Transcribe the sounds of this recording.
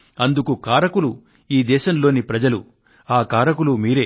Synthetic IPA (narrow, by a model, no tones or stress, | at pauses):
ɐnd̪ukukaːɾɐkulu | iːd̪ɛːʃɐmlo̞ːnipɾɐd͡ʒɐlu | aːkaːɾɐkulumiːɾeː